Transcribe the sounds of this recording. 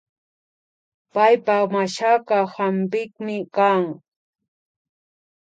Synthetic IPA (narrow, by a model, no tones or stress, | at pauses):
pajpamaʃakahampɪkmɪkaŋ